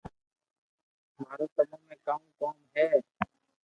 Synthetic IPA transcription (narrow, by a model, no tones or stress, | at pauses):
maːɾoːkəmõːmẽːkam̃ːkoːmɦɛː